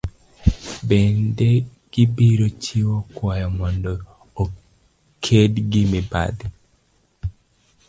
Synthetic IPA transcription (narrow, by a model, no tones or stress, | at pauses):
bendeɡ̥ibiɾot͡ʃiwokwɔjɔmɔndɔː | kʰedɡɪmɪba̰d̪i